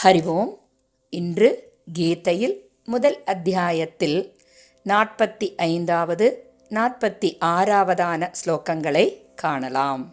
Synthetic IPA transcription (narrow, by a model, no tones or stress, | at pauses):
hɐɾɪʋoːm | ɪndrɯ | ɡeːt̪ːɐjɪl | mʊðɐlɐd̪ʱjaːjɐt̪ːɪl | naːʈ̚pɐt̪ːiʔɐɪnd̪aːʋɐðɯ | naːʈ̚pɐt̪ːiʔaːɾaːʋɐðaːnɐsloːkɐŋɡɐɭɐɪkːaːɳɐlaːm